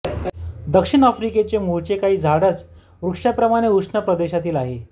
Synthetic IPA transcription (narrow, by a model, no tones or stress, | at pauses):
d̪əkʂiɳafɾiket͡ɕemuɭt͡ɕekaɦiːd͡zʱaɽət͡s | ʋɾukʂapɾəmaɽ̃euʂɳəpɾəd̪eɕat̪iːlaɦe